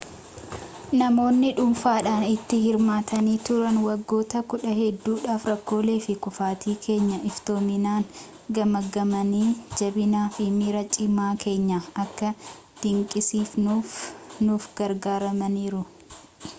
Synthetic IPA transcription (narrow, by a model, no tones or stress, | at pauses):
nɐmo̞ːnːɪᶑʊmfaːᶑaːnɪt̪ːɪhɪɾmaːt̪ɐniːt̪ʊɾɐnwɐɡːo̞ːt̪ɐkʊᶑɐɦɛd̪ːuːᶑaːfɾɐkːo̞ːle̞ːfɪkʊfaːt̪ʰiːkʰe̞ːɲːɐʔɪft̪o̞ːmɪnaːn | ɡɐmɐɡɐmɐniːd͡ʒɐbɪnaːfɪmiːɾɐt͡ʃʼɪmːaːke̞ːɲːɐɐkːɐ | d̪̥ɪŋkʼɪsiːfnunuːfɡ̥ɐɾɡaːɾɐmɐniːɾʊ